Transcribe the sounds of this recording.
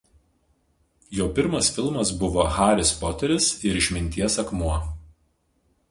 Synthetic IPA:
joːpʲɪɾmɐsfʲɪlˠmɐsbʊʋoxɑːɾʲɪspɔːt̪ʲɛɾʲɪsɪɾɪʃʲmʲɪnʲt̪ʲiɛsɐkmuɐ

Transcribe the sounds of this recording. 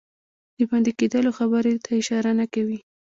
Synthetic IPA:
d̪̥əbɑnd̪iked̪əloxabəɾet̪ʰaɪʃɑɾanakawi

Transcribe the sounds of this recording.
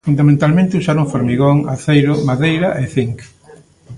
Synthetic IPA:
fund̪amẽnt̪almẽnt̪ɪusaɾoŋfoɾmiɣoŋaθejɾʊmaðejɾɐʔeθiŋk

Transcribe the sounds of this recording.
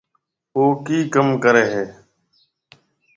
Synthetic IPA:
oːkiːkəmkəɾeːɦeː

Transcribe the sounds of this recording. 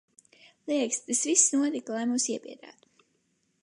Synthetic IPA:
lˠiɛkst̪asvisːnuɔt̪iklˠajmuːsiɛpiɛd̪a̰ːt̪u̥

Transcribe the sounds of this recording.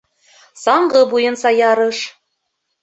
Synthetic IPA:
sɑɴɢɤ̆bujɤ̆nsɑjɑɾɤ̆ʃ

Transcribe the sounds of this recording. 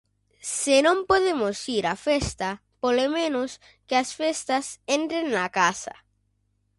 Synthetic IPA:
senõmpoðemosiɾafest̪a | polomẽnos | kɪasfest̪asent̪ɾenːakasa̰

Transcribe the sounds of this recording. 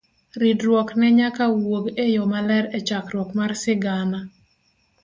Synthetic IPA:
ɾidɾwɔknɛɲakawoɡejɔmalɛɾɛt͡ʃakɾwɔkmarsɪɡana

